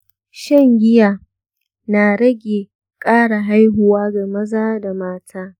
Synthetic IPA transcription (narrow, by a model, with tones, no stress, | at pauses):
ʃɐ˦ŋɡʲɪ˦jaː˨ | naː˨ɽɐ˦ɡʲeː˨ | kʼaː˦ɽa˨ɦa˦jɦʊ˨waː˦ɡa˨mɐ˦zaː˦da˨maː˦tʰaː˦